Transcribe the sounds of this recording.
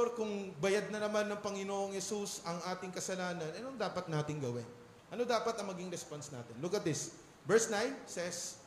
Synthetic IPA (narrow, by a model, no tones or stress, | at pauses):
ɾkʊŋbɐjad̪̚nɐnɐmanːɐŋpɐŋɪnoːʔoŋhɛsusɐŋʔaːt̪ɪŋkɐsɐlaːnɐnʔɐnoŋd̪aːpɐt̪̚naːt̪ɪŋɡɐwɪn | ʔɐno̞d̪aːpɐt̪ɐŋmɐɡiŋɾɛspansna̰ːt̪ɪnlʊkɐt̪̚d̪ɪs | bɛɹsnajnsɛs